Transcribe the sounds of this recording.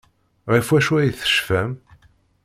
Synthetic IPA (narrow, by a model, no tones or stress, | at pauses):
ʁifwæʃwæjθə̥ʃfæm